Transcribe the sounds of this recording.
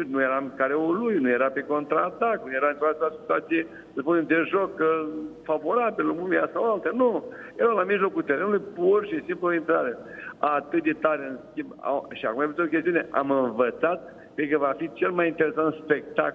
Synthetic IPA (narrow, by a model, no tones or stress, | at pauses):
nujeɾamkaɾeulujnujeɾapeko̞nt̪ɾaːt̪akljeɾaɨnt̪ɾoat̪asit̪uat̪sije | səspuned̪eʒokfavo̞ɾabiluumeasawalt̪janujeɾalamiʒlo̞kult̪eɾe̞nulujpurʃisimploĩnt̪ɾaɾeat̪ɨt̪̚d̪e̞t̪aɾeɨnskʲimba̰ʃia̰kumajfut̪okʲest̪iuneʔa̰mɨnvət̪sat̪̚ | pekəvafit͡ʃe̞lmajint̪eɾe̞sant̪spe̞k̚t̪a̰k